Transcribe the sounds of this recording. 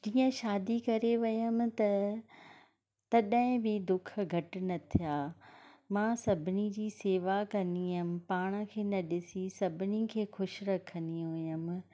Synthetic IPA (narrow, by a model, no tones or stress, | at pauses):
d͡ʑiːə̃ʃaːd̪ikɐɾeʋɪjəmɪ̆t̪ɐ | t̪ɐɗɦɪ̃bɪd̪ʊk̆ʰɡʱɐʈ̆nɐt̪ʰijaːmãːsɐbʱɪnid͡ʑiːseːʋakɐniɦɪmɪ̆paːɽ̃əkʰeːnɐɗɪsisɐbʱɪnikʰeːxʊʃɾɐkʰə̃nd̪ĩʊjəm̆